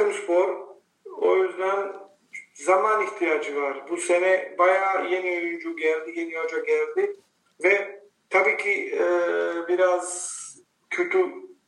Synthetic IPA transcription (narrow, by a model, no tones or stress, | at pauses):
umspʰo̞ɾ | ojyzd̪æn | zamaniht̪ʰijaːd͡ʒɯvaɾbusenɛbajaːjeniojund͡ʒuɟælʲd̪ijeniad͡ʒaɟælʲd̪i | vɛ | t̪ʰabiːcʰi | biɾaz | cʰøt̪ʰy